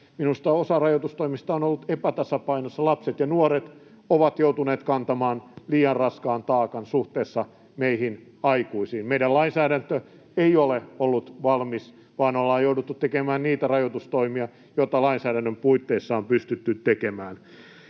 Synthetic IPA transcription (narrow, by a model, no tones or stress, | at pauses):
minust̪ɑosɑrɑjot̪ust̪oimist̪ɑonolːut̪epæt̪ɑsɑpɑinosːɑlɑpset̪jɑnuoret̪ | oʋɑt̪jout̪uneːt̪kɑnt̪ɑmɑːnliːɑnrɑskɑːnt̪ɑːkɑnsuht̪eːsːɑ | meihin | ɑikuisiːnmeiɾælɑinsæːɾænt̪ø | eioleolːut̪ʋɑlmis | ʋɑːnolːɑːjjouwdut̪ːut̪t̪ekemæːnniːt̪ærɑjot̪ust̪oimiɑ | jot̪ɑlɑinsæːdænːømpuit̪ːeːsːɑːmpyst̪yt̪ːyt̪ːekemæːn